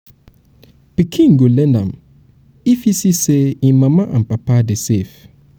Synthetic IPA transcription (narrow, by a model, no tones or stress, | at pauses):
pikʰĩŋ̩ɡolɛ̃ndã̰m | ifisiseĩmãmãʔã̰m̩papadɛsef